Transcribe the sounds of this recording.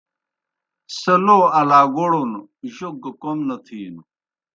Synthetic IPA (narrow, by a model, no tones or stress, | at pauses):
sɐloːɐlaːɡoɽonuʑoɡkomnɐt̪ʰiːnu